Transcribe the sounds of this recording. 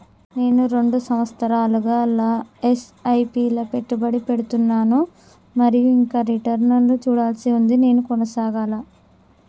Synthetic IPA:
ne̞ːnuɾe̞ɳɖusɐmʋɐst̪ɐɾaːluɡaːlaːesɐjpiːlɐpe̞ʈːubɐɽipe̞ɽut̪unːaːnu | mɐɾijuiŋkaːɾiʈɐɾnɐnlut͡ʃuːɽaːlsiund̪ine̞ːnukɔnɐsaːɡaːla

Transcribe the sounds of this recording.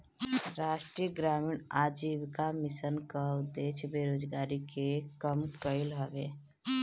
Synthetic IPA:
ɾaːʃʈɾijəɡɾaːmiɳaːd͡ʒiːbkamɪsənkaʊd̪eːʃbeːɾoːd͡ʒɡaːɾikekəmkəɪlɦəʋeː

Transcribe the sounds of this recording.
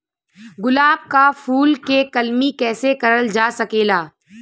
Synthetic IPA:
ɡʊlaːb̚kafuːlkekɐlmikɛːsekɐɾəld͡ʒaːsɐkeːlaː

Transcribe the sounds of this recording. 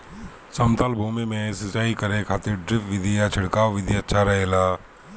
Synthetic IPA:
sɐmt̪aːlbʱuːmimẽsət͡ʃaːikɐɾẽkʰaːt̪ɪɾɖɾɪpʋɪd̪ʱijat͡ʃʰɪɽkaːʋʋɪd̪ʱjaətːʃʰaɾɐɦeːlaː

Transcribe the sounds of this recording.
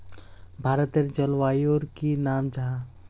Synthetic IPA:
bʱaːɾət̪eɾd͡ʒəlʋaːjoɾkinaːmd͡ʒaɦã

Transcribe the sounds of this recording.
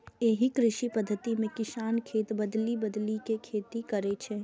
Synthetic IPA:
eːɦikɾɪʃipəd̪ʱːət̪imẽkɪsaːnkʰeːt̪bəd̪libəd̪likekʰeːt̪ikəɾet͡ʃʰɛ

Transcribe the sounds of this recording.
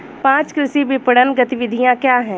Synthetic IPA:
pãːt͡ʃkɾɪsibɪpəɽənɡət̪ɪʋɪd̪ʱijãkjaːɦɛ̃ː

